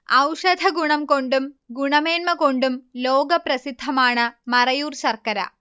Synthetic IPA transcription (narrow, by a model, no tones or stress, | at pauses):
ɐwʂɐd̪ʱɐɡuɳɐmko̞ɳɖumɡuɳɐme̞ːnmɐko̞ɳɖumlo̞ːɡɐprɐsid̪ʱːɐmaːɳɨmɐrɐjuːrɕɐrkɐɾɐ̰